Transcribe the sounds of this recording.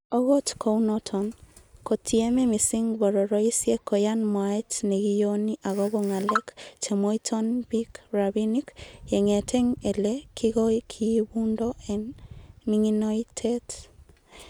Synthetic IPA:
o˦ɣo˦tkʰounɔtʰɔnko˨tʰiɛ˦mɛ˦mi˨si˦ŋbɔ˨ɾɔ˨ɾɔ˦i˦sje˦ko˨janmwa˨itne˨ɣi˦joni˦ʔa˨ɣɔbo˦ŋa˨lɛ˦kt͡ʃe˨mo˦itʰɔnbikɾabinikje˨ŋe˨tʰɛ˦ŋe˨lekʰiɣɔ˦ikʰibu˦ndɔʔɛ˨nmiŋinɔ˦itʰɛt

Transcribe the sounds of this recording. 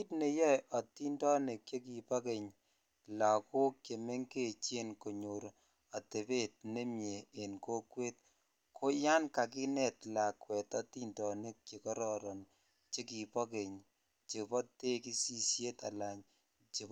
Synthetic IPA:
i˦tne˧jɛ˦jʔɔ˨ti˦ndɔ˦ne˨kje˦ki˨pɔ˦ke˨ɲ | la˨ko˦kke˨me˦ŋke˦˨t͡ʃe˦nko˨ɲo˨ɾo | a˨te˨be˦t̚ne˦mjeː˨nko˦kwe˦t̚ | kʰo˦ja˦nka˨k̬i˦nɛ˨tla˨kwɛ˨tɔ˦ti˦ndɔ˨ne˦kke˨kɔ˦ɾɔ˦ɾɔ˨n | t͡ʃe˦ki˨pɔ˦ke˨ɲ | t͡ʃe˨pɔ˦te˦ki˦si˦sje˦ta˨la˨ɲ | t͡ʃe˨

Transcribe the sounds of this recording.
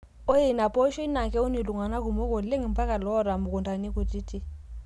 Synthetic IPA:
o˦e˨na˨pʼo˦ʃɔ˦i˦na˨kʼɛ˦ʊ˦ni˨lu˨ŋa˨na˦k̬ʊ˨mo˦kʼo˨le˦ŋ˨m̩˦pʼa˦ka˨lɔ˦ɔ˦˨ɾa˨mʊ˨kʊ˨ndʼa˨ni˦kʼu˨tʼi˦tʼi˦

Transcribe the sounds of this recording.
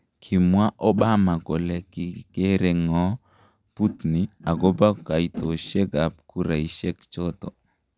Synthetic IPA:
kʰi˨mwa˦ʔɔ˦ɓa˦ma˨ɡo˨lɛ˦ki˨ke˦ɾe˦ŋɔ˦ | pu˦t̪ni˨a˨ɡo˦ba˦ka˨i˨t̪o˨ʃe˦ɡa˨p̚ku˦ɾa˨i˨˦ʃɛ˦kt͡ʃɔ˦t̪ɔ̰˨

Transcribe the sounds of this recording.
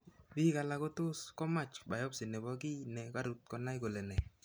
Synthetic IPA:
bi˦ka˨la˦ko˦tʊ˦skɔ˦ma˦˨t͡ʃba˨jɔ˦psɪ˨nɛ˨bɔ˦ki˦nɛ˨ka˦ɾu˨t̪̚kɔ˨na˦jko˨lɛ˨nɛ˨

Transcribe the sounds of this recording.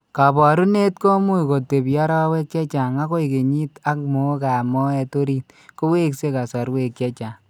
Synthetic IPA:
ka˨bɔ˨ɾu˦ne˦t̚ko˦mu˦iko˨te˨pjɔ˦ɾɔ˦we˦kjɛ˦t͡ʃa˨ŋa˦ko˦i˨ke˨ɲi˦ta˦k̚mo˦ka˨mɔ˦ɛ˧to˦ɾi˦t̚ | ko˦we˦kse˦ka˨sɔ˨ɾwe˨kjɛ˦t͡ʃa˨ŋ

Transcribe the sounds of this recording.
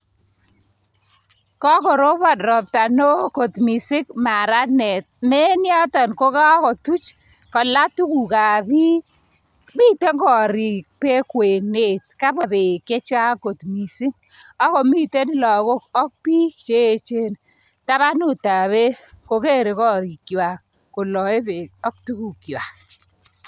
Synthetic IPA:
kɔ˦kɔ˨ɾo˦βa˦˨drɔ˨p̚ta˨no˦ko˨tmi˨sɪ˦k̚ma˨ɾa˦nɛ˨t̚mɛ˦nja˦tɔ˨nko˦ka˦ɔ˦kɔ˨tu˦t͡ʃ | kɔ˨la˦tu˦ku˨ka˨bi˦ | mi˦te˦ŋɡɔ˨ɾi˨k̚pe˦kwe˨ne˨tka˦ba˨be˨ke˦t͡ʃa˦ko˨tmi˨sɪ˦ŋ | ɔ˦kɔ˨mi˦te˦n˦lɔ˨ko˦kɔ˦k̚pi˦t͡ʃe˦˨t͡ʃe˦n | ta˦βa˦nu˦˨ta˨βe˦ko˨ke˦ɾe˨kɔ˦ɾi˨kjwa˨k | ko˨lɔ˨e˦be˨ɔ˦k̚tu˦ku˨kjwa˨k̚

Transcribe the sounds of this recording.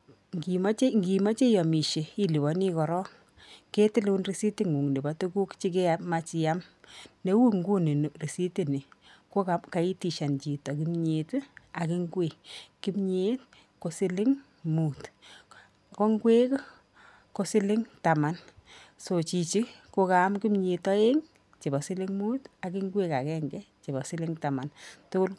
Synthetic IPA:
ŋɡi˨ma˦t͡ʃe˦ŋɡi˨ma˦t͡ʃe˦jɔ˨mi˨ʃe˨i˦li˨wɔ˨˦ni˦kɔ˨ɾɔ˦ŋ | ke˦tɪ˦lunri˨˦si˦ti˦ŋu˨ŋni˨ba˨tu˦ku˦kt͡ʃi˦k̬e˦ama˦t͡ʃɪ˨ja˦mne˦wu˦ŋɡu˦ni˨n˨ri˨si˦ti˨ni˨ko˦kaka˨i˦ti˨ʃa˨nt͡ʃi˨tɔ˨ki˦mɲe˨ta˨kɪ˦ŋɡwe˨ki˦mɲe˦t̚ | ko˨sɪ˦lɪ˦ŋ | mu˨t | ko˦ŋɡwe˦k | ko˦sɪ˦lɪ˦ŋta˨ma˨nso˨t͡ʃi˨t͡ʃi˦ko˦ka˨˦mki˦mɲe˨tɔ˦e˦ŋ | t͡ʃe˨bɔ˨sɪ˦lɪ˦ŋmu˦ta˨kɪ˦ŋɡwe˦ka˨kɛ˦ŋɡɛ˦t͡ʃe˨bɔ˨sɪ˦lɪ˦ŋta˨ma˨ntʊ˦kʊ˦l

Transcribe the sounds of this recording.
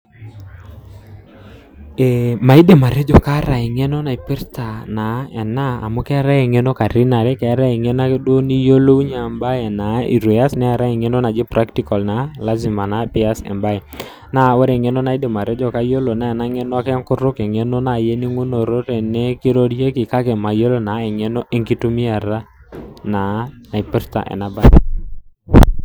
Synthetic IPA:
e˨ma˨i˦de˨ma˨ɾe˦d͡ʒo˨ka˦ɾa˨ɪ˨ŋe˦no˦na˨i˨pɪ˦ɾta˨na˨ɛ˨na˦a̰˨mo˦kɛ˦a˦ɾa˦e˨ŋe˦no˦ka˨ɾi˦na˨ɾɛ˦kɛ˨a˦ɾa˦e˨ŋe˦na˦kdwo˦ni˦jo˦lo˦u˦ɲa˨mba˦e˨na˨ḭ˨ɾwe˨a˦snɛ˦a˨ɾa˦ɪ˨ŋe˦no˦na˨d͡ʒɪ˦pɾa˦kti˦kɔ˨lna˨la˦zi˨ma˨na˨pi˦a˦sɛ̰˨mba˦ɛ˨ | na˦˨˦wɔ˦ɾe˨ŋɛ˦no˦na˨i˦de˨ma˨ɾɛ˦d͡ʒɔ˦˨ka˦jo˦lo˨na˦ɛ˨na˦ŋɛ˦nɔ˦a˦kɛ˦a˦ŋkʊ˦ɾʊ˦kɛ˨ŋe˦no˦na˨je˦ni˦ŋwo˦no˨ɾo˦ɾe˨nɛ˦kɪ˦ɾo˦dje˦kɪ˨ka˦kɛ˨ma˨jo˦lo˦na˨˦ɛ˨ŋɛ˦no˦ʔe˦ŋki˦tu˦mi˦a˨ɾa˦na˨˦na˨i˨pɛ˦ɾta̰˨ʔɛ̰˨na˨ba˦

